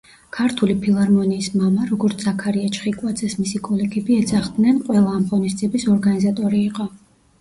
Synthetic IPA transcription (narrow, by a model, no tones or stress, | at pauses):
kʰaɾt̪ʰulipʰilˠaɾmɔniːsmamaɾɔɡɔɾt̪sʰakʰaɾiat͡ʃʰʼχikʼwad̪zɛsmisikʼɔlɛɡɛbiɛd̪zaχd̪nɛnqʼwɛlˠaːmχɔnist̪zʼiɛbisɔɾɡanizat̪ʼɔɾiːqʼɔ